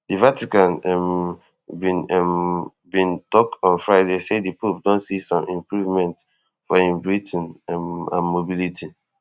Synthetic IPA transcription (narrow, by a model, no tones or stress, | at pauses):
divatikãnm | bĩnɛm | bĩntɔk̚tɔ̃nfɹaɪdesedipopdõntsisɔ̃mʔĩmpɹuvmɛ̃nt | fɔĩmbɹitnmã̰nmobilitʰi